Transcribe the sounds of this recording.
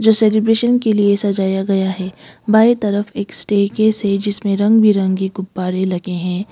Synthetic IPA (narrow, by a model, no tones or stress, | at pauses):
d͡ʒoːseːlebɾeːʃənkeliesɐd͡ʒaːjaɡɐjaɦɛːbaːet̪ɐɾəfeːksʈeːkesɛd͡ʒɪsmẽɾɐ̃ŋɡbʱiɾɐ̃ŋɡiɡʊbːaːɾelɐɡeɦɛ̃ː